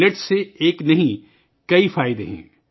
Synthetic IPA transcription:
leʈseeːknɐɦĩ | kɐifaːɪd̪ḛɦɛ̰̃ː

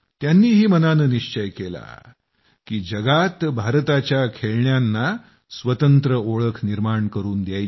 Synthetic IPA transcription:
t̪janːiːɦiːmənanəːniɕt͡ɕəjkela̰ | kiːd͡ʑəɡat̪bʱaɾt̪at͡ɕjakʰeɭɳjanːa | sʋət̪ənt̪ɾəoɭəkʰniɾmaɳkəɾuːnd̪jaj

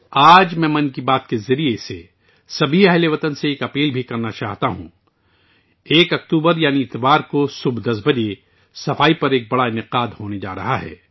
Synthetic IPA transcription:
aːd͡ʒmɛ̃ːmɐnkibaːt̪kezɐɾiese | sɐbʱiɛɦleʋɐt̪ənseeːkɐpiːlbʱikɐɾnat͡ʃaːɦt̪aɦṵ̃ | eːkɐkt̪uːbəɾjaːniɪt̪ʋaːɾkosʊbʱd̪ɐsbɐd͡ʒe | sɐfaːipɐɾeːk̚bɐɽaɪnɪqaːd̪ɦoːned͡ʒa̰ːɾɐ̰ɦaɦɛ̰ː

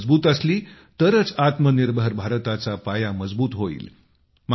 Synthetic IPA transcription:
d͡zbuːt̪əsliː | t̪əɾət͡sat̪məniɾbəɾbʱaɾt̪at͡sapajaməd͡zbuːt̪ɦoḭːl | m

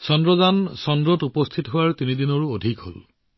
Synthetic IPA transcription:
sɔndɹɔzansɔndɹɔtupɔstʰitɦowaɹtinidinɔɹuodʱikɦo̰l

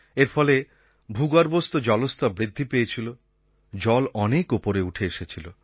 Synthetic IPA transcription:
eɾfʰɔle | bʱuɡaɾbost̪od͡ʑɔlost̪abɾid̪ʱːipejet͡ɕʰilo | d͡ʑɔlɔnekupoɾeuʈʰeeʃet͡ɕʰilo

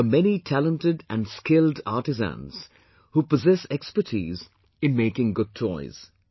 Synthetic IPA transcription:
əmɛnitʰælə̃ntɪdæ̰̃nskɪlda̰ːʈɨzæ̰̃nz̥ | huːpəzɛsɛkspətʰḭːz | ɨ̃nmeɪkɪ̃ŋɡʊd̚t͡ʃʰɔɪz̥

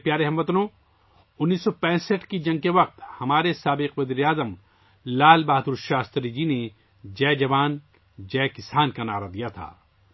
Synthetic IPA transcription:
pjaːɾeɦɐmʋɐt̪nõ | ʊnːiːsːɔpɛ̃ːsəʈkid͡ʒɐ̃ŋɡkeʋɐq̚t̪hɐmaːɾesaːbɪqʋɐziːɾeaːzəm | laːlbaːɦd̪uɾʃaːst̪ɾid͡ʒine | d͡ʒɛːd͡ʒɐʋaːn | d͡ʒɛːkɪsaːnkanaːɾad̪ijat̪ʰa̰ː

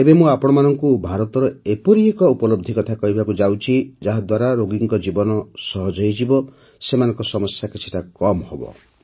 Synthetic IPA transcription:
ebemũapɔɽ̃ɔmanɔŋkubʱaɾɔt̪ɔɾɔepɔɾiekɔupɔlobd̪ʱikɔt̪ʰakɔɦibakud͡ʒawt͡ʃʰid͡ʒaɦad̪waɾaɾoɡiŋkɔd͡ʒibɔnɔsɔɦɔd͡ʒɔjd͡ʒibɔ | semanɔŋkɔsɔmɔsjakit͡ʃʰi̥ʈakɔmhobɔ̰

